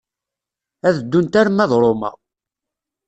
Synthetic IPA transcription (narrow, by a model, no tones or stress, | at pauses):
æðəd̪ːunt̪æɾmæðˤɾˤomæ̰